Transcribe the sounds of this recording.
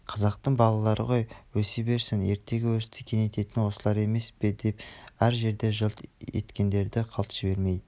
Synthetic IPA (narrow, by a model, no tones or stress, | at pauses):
qʰɑzɑq̚t̪əɴbɑlˠɑlˠɑɾə̰ʁo̞jwɵsebe̞ɾsɪnje̞ɾt̪e̞ɡʲɪwɵɾt̪ɪ̥kʲʰe̞nejt̪e̞t̪ɪnwo̞səlˠɑɾe̞me̞spɪd̪e̞pæɾʒe̞ɾd̪e̞ʒəlˠt̪e̞̰t̪kʲe̞nd̪e̞ɾd̪ɪqʰɑlˠt̪ʒ̥ɪbe̞ɾme̞j